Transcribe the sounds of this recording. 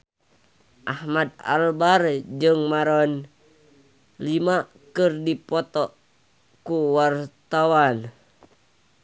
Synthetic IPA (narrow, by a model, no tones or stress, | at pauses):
ʔahmad̚a̰lbard͡ʒɨŋmaɾɔn | lima | kɨrdipɔt̪ɔ | kuwart̪awan